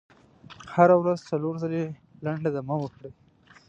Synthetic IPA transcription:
haɾawɾazt͡saloɾzale | laɳɖlad̪amawəkɽe

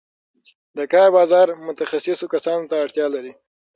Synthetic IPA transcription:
d̪əkɑɾbɑzɑɾmʊt̪axasɪsokasɑnot̪aːɽt̪jɑlaɾi

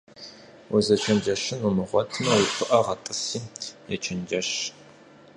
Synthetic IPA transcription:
wʊzɐt͡ʃʰɐnd͡ʒɐʃɪnumɨʁʷɔtʰmɐwipʷʰɨʔɐʁɐtʼɨsiːjɛt͡ʃʰɐnd͡ʒɐʃ

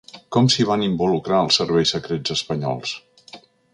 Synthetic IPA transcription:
kɔmsiβ̞animbulukɾaəlˠsːəɾβɛjsəkɾed͡zəspəɲɔ̰lˠs

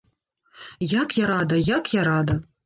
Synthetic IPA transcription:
jɑkjɑɾɑd̪əjɑkjɑɾɑd̪ɐ

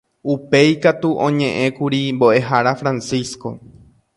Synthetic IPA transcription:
upe̞jkat̪uʔõɲẽ̞ʔẽ̞kuɾimbo̞ʔe̞ɦaɾafɾãnsisko̞̰

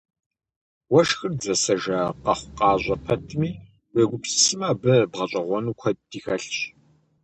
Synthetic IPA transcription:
wɐʃxɨrzɐsɐʒɐqɐχʷʊqʼɑːʑʷʼɐpʰɐtʰmiː | weɡʷʊpssɨmaːbɨbʁɐɕʼɐʁʷɔnukʷʰɐd̥iːxɐɬɕ

